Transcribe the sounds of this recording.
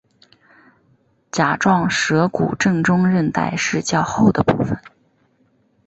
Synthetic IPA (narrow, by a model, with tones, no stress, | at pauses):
t͡ɕja˨˩ʈ͡ʂwɑ˥˩ŋʂɤ˧˥kṵ˨˩ʈ͡ʂɤ˥˧ŋʈ͡ʂʊ˥ŋɻə˥˧nt̪a̰˥˧ɪʂɻ̩˥˧t͡ɕjɑ˥˧ʊxo˥˩ʊd̪ə˩pṵ˥˩fə˩n